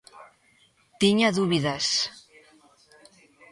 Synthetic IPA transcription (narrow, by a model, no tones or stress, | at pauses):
t̪iɲaðuβiðas